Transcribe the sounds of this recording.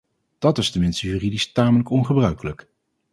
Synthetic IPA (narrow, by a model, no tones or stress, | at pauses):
d̥ɑtɪstəmɪnstəjyridistaːmələkɔnχəbrœɥkələk